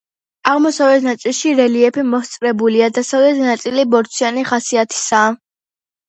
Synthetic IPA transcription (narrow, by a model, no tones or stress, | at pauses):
aʁmɔsavɛt̪ʰnat̪sʼilˠʃiɾɛliɛpʰimɔst̪sʼɾɛbuliad̪asavlɛt̪ʰnat̪sʼilibɔɾt̪sʰianiχasiat̪ʰi̥saː